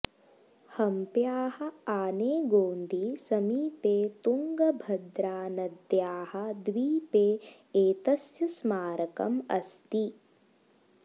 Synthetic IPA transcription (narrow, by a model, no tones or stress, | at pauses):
hɐmpjaːhɐ̆aːneːɡoːnd̪ʱisɐmiːpeːt̪uŋɡɐbʱɐd̪ɾaːnɐd̪jaːhɐ̆d̪ʋiːpeː | eːt̪ɐsjɐsmaːɾɐkɐ̰mɐst̪i